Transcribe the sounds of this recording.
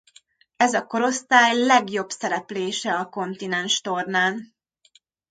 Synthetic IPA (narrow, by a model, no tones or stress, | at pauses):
ɛzɒko̞ɾo̞st̪aːjlɛɡjo̞bsɛɾɛpleːʃɛɒko̞nt̪inɛnʃt̪o̞rnaːn